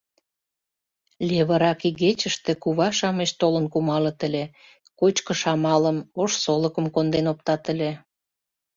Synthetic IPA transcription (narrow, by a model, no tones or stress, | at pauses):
lʲeβə̆ɾɑkiɣet͡ɕəʃt̪ĕkuβɑʃɑməʃt̪olənkumɑlə̆t̪əlʲe | kot͡ɕkə̆ʃɑmɑləmoʃsoləkəmkond̪enop̚t̪ɑt̪əle